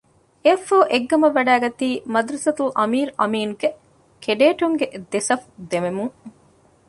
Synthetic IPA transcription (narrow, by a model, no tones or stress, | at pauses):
efoːʔeɡːɐmɐʋːɐɖæːɡɐt̪iːmɐd̪ɾɐsɐt̪ulʔɐmiːɾɐmiːnuke | kʰeɖeːʈuŋɡeʔd̪esɐfd̪ememuŋ